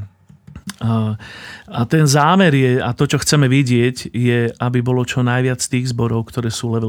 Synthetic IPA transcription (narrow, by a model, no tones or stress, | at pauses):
at̪ɛnzaːmɛɾjɛat̪ɔt͡ʃɔxt͡sɛmɛʋiɟɪɛɟjɛabibɔlɔt͡ʃɔnajʋɪat͡sst̪iːɣzbɔɾɔʊkt̪ɔɾɛːsuːlɛ